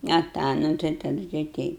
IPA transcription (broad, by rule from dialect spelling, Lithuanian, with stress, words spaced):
ɐ ˈtɑː ˈnʊ tɐɪ tɐˈdʊ tɐɪ ˈtʲɛɪp